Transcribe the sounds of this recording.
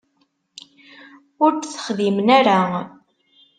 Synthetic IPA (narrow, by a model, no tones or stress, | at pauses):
ʊɾtθə̥χðimənæɾa